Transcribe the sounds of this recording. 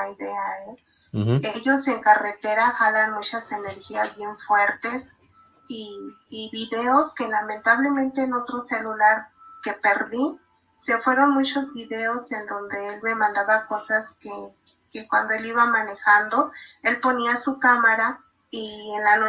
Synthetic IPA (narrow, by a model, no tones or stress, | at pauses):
ajðe̞ae | eʝo̞se̞ŋkare̞t̪e̞ɾaxalanmut͡ʃase̞ne̞ɾxiazβje̞ɱfwe̞ɾt̪e̞s | iːβiðe̞o̞ske̞lamẽ̞nt̪aβ̞le̞mẽ̞nt̪e̞ːno̞t̪ɾo̞se̞lulaɾke̞pe̞ɾði | se̞fwe̞ɾo̞nmut͡ʃo̞zβiðe̞o̞se̞nd̪o̞nd̪e̞elme̞mãnd̪aβako̞saske | kekwand̪o̞e̞liβamãne̞xand̪o̞e̞lpo̞niasukamaɾa | ienlano